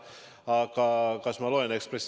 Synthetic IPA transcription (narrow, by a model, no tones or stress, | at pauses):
ɑkɑkɑsmɑloenekspɾes